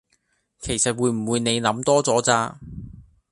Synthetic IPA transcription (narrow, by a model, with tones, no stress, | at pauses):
kʰe˨˩jsɐ˨t̚wuː˨˧jm̩˨˩wuː˨˧jne˨˧jnɐ˨˧˥mt̪ɔː˥t͡sɔː˨˥t͡saː˧